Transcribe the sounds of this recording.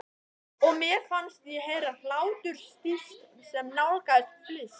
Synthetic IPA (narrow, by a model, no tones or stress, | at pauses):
ɔɣmjɛfanst̪jɛɦejɾahlaːwt̪ʏɾ̥st̪ist̪sɛmnawlkast̪flɪs